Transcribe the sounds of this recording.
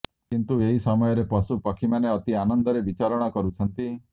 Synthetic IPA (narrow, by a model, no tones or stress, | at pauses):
kint̪ueɦisɔmɔjɔɾepɔsupɔkʰimaneɔt̪ianɔnd̪ɔɾebit͡ʃaɾɔɽ̃ɔkɔɾut͡ʃʰɔnt̪i